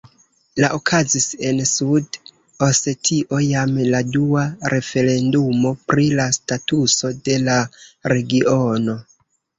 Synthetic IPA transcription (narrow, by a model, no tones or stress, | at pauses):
laʔokʰazise̞nsud | ose̞tʰiʔo̞jamladuaɾe̞fe̞ɾe̞ndumo̞pɾilastatuso̞de̞laɾe̞ɡiʔono̞